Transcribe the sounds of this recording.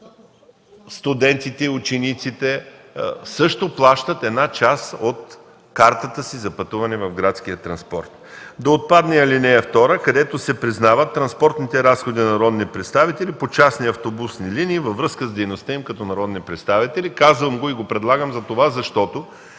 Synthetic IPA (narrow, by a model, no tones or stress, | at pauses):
st̪ud̪ɛnt̪it̪ɛiut͡ʃɛnit̪sit̪ɛ | sɤʃt̪oplˠaʃt̪ət̪ɛd̪nat͡ʃasot̪ | kaɾt̪ət̪əsizɐpɐt̪uvɐnɛvɐvɡɾat̪sk̟ijət̪ɾɐnspɔɾt̪d̪ɐot̪̚pad̪nɛɐlinɛɛft̪ɔɾəkɐd̪ɛt̪osɛpɾiznavət̪ːɾɐnspɔɾt̪nit̪ɛɾasxod̪inɐɾɔd̪nipɾɛt̪st̪avit̪ɛlipot͡ʃasniɐft̪obusniliniːvɐvɾɤskəzd̪ɛjnost̪əimkɐt̪ɔnɐɾɔd̪nipɾɛt̪st̪avit̪ɛlikazvəmɡoiɡopɾɛd̪lˠaɡəmzɐt̪ovazɐʃt̪ɔt̪o